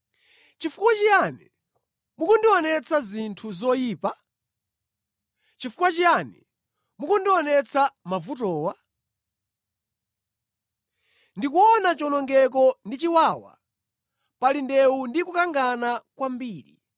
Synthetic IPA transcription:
t͡ʃifukwat͡ʃijanɛ | mukɔndiɔnɛt͡sʰazintʰuzɔjiːpa | t͡ʃifukwat͡ʃijanɛ̰ | mukɔndiɔnɛt͡sʰamavutɔːwa | ndikuɔnat͡ʃɔnɔŋɡɛk̬ɔndit͡ʃiwaːwa̰ | palindɛundikukaŋɡanakwambiːɾḭ

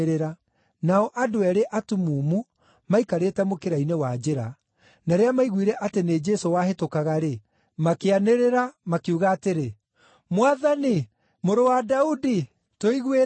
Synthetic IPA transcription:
ɾeɾa | naɔʔadoɛɾeʔatumuːmu | maikaɾetɛmokeɾainewad͡ʒeɾa | naɾeamaiɣwiɾɛʔatened͡ʒɛsowahetokaɣaɾe | makeaneɾeɾamakeuɣaːteɾe | mwaðani | moɾowadaudi | toiɣwe

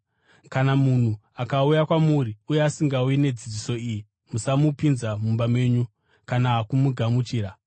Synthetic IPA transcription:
kanamun̤u | akaujakwamuɾiujeasiŋɡauine̞d͡zid͡ʒiso̞iːji | musamupinzamumbamwe̞ːɲu | kanaɦakumuɡʱamut͡ʃiːɾa

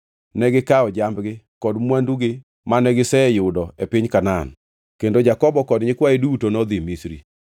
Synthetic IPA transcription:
nɛɡɪkaɔd͡ʒambɡɪ | kɔdmwanduɡɪ | manɛɡɪsɛjʊdɔɛpɪɲkanan | kendod͡ʒakɔbɔkɔdɲɪkwaedutonɔd̪imisɾḭ

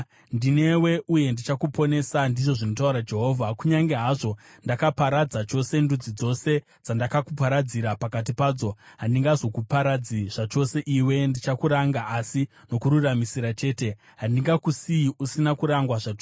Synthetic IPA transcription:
ndine̞we̞uje̞ndit͡ʃakupo̞ne̞sandiʐo̞ʐino̞tauɾad͡ʒe̞ɦo̞ːvʱakuɲaŋɡe̞ɦaʐo̞ | ndakapaɾad͡zat͡ʃo̞se̞ndud͡zid͡zo̞se̞ | d͡zandakakupaɾad͡ziɾapakat̬ipaːd͡zo̞ɦandiŋɡazo̞kupaɾad͡ziʐ̥at͡ʃo̞se̞ʔiwe̞ndit͡ʃakuɾaŋɡaʔasino̞kuɾuramisiɾat͡ʃe̞ːte̞ | ɦandiŋɡakusiiʔusinakuɾaŋɡwaʐat͡ʃo

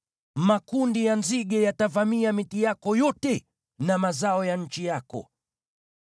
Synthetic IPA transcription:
makundijanziɠɛjatavamiamitijakɔjɔtɛ | namazaɔjan̩t͡ʃijakɔ̰

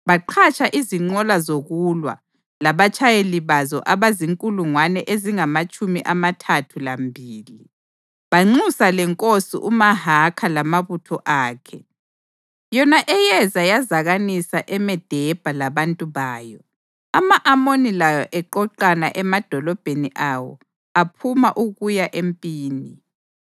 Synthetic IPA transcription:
βaǃʰat͡ʃʼʰaʔiziŋ͡ǃɔlazoɣulwa̰ | laβat͡ʃʰʼajeliβazɔ̰ʔaβaziŋkʼuluŋwanɛʔeziŋamat͡ʃʼumiʔamatʰatʰulambʱiːli | βaŋ͡ǀusalɛŋkʼosḭʔumaɦakʰalamaβutʰɔʔaːkʰɛ | jɔnaʔɛjɛzajazaɣanisaʔɛmɛd̥ʱɛb̥ʱalaβantʼuβaːjɔ | amaʔamonilajɔʔɛǃɔǃanaʔɛmad̥ʱɔlɔb̥ʱeniʔawɔ̰ | apʰumaʔuɣujaʔempʼiːni

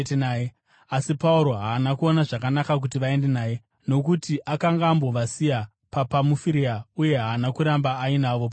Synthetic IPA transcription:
nae | asipauɾo̞ɦaːnakuo̞naʐakanakak̬utiʋae̞nde̞naːje̞ | no̞kutiʔakaŋɡaːmbo̞ʋasija | papamufiɾiauje̞ɦaːnakuɾambaːinaʋo̞pa

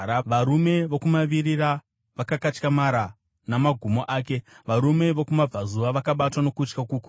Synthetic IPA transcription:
ʋaɾume̞ʋo̞kumaʋiɾiɾa | ʋakakat͡ʃkamaɾa | namaɡʱumo̞ʔaːke̞ʋaɾume̞ʋokumab͡vazuʋaʋakaɓatwano̞kut͡ʃkakuku

